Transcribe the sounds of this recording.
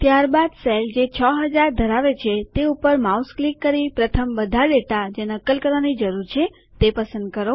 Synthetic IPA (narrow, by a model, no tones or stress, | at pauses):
t̪jaɾbad̪seld͡ʒet͡ʃʰəɦəd͡ʒaɾd̪ʱəɾaʋet͡ʃʰet̪eupəɾmausklikːəɾipɾət̪ʰəmbəd̪ʱaɖeʈad͡ʒenəkːəlkəɾʋanid͡ʒəɾuɾt͡ʃʰe | t̪epəsə̃nd̪̚kəɾo